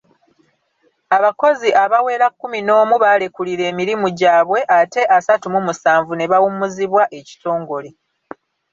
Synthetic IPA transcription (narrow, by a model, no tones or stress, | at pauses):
aβako̞ziʔaβawe̞ːɾakːumino̞ːmuβalekuliɾe̞ːmiɾimuɟaːβwe̞ʔate̞ʔasatumumusaːɱvune̞βawumuziβwaʔe̞ci̥to̞ːŋɡo̞le